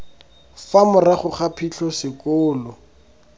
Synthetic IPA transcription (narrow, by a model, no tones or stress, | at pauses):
famʊraχʊχapʰiɬɔsɪkʊːlɔ